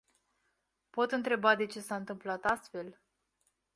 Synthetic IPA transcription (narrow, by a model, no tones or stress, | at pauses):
po̞t̪ɨnt̪ɾe̞bad̪e̞t͡ʃe̞saɨnt̪ɨmplat̪ast̪fe̞l